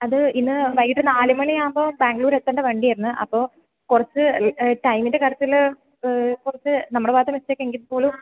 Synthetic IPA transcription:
ɐðɨinːɨʋɐjiʈːɨnaːlimɐɳijaːmboːbaːŋɡɭuːɾet̪ːɐɳɖɨʋeːɳɖijɐjɾunːɨʔɐ̰pːo̞ː | kurɐt͡ɕːɨʈɐjmindekɐɾɐt̪ːil | kurɐt͡ɕːɨnɐmːɐɽeʋaːd̪ʱjɐmestːeːkːeŋɡinːɨpo̞ːlum

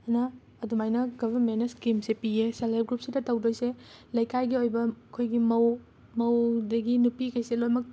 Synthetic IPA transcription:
ɐnɐː | dumajnɐɡɐbʱɐɾmenːɐskimsepiesɐlajp̚ɡɾup̚sidɐtɐwdojselɐjkʰajɡiojbɐkʰojɡimɐw | mɐwdɐɡinupikʰɐjselojmɐk̚

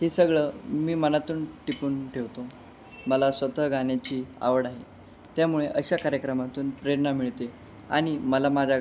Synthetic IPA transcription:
ɦesəɡɭəmiːmənat̪uːnʈipuːnʈʰeʋt̪o | məlasʋət̪əɦɡanjat͡ɕiːa̰ʋəɽaɦe | t̪jamuɭeʔəɕakaɾjəkɾəmat̪uːnpɾeɾnamiɭt̪e | a̰ɽ̃iməlamad͡ʑʱa

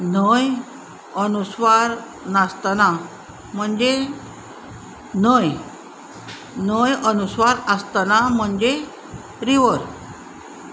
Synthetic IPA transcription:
nəj | ənusʋaɾ | nast̪ana | m̤əɳd͡ʑe | nəj | nəjənusʋaɾəst̪anam̤əɳd͡ʑe | ɾiʋəɾ

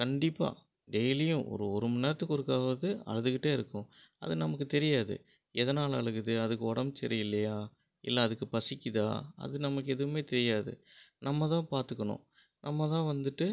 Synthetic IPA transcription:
kɐɳɖɪpːa̰ː | ɖɛjlɪjʊ̃ʔɔ̰ɾɯɔɾɯmɐnɐɾɐt̪ːɯkːɔɽɯkːaːʋɐðɯɐ̰ɻɐðɯkɪʈːeːɪɾɯkːʊ̃ɐ̰ðɯnɐmɐkːɯt̪ɛɾɪjaːðɯ̰ | ɛðɐnaːlɐ̰ɭɯɣɯðɯɐðɯkːɯɔɽɐmt͡ʃɛ̰ɾɪjɪlːɐjaː | ɪ̰lːɐːðɯkːɯpɐsɪkːɪða̰ːɐ̰ðɯnɐmɐkːɯɛðɯʋɯmeːt̪ɛɾɪjaːðɯ̰nɐmːɐt̪ãːpaːɾt̪ɯkːɐɳʊ̰̃ | nɐmːɐt̪ãːʋɐnd̪ɯʈːɯ

